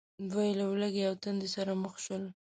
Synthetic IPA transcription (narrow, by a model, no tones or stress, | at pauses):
d̪wajilawləɡejawt̪ənd̪esaɾaməxʃəl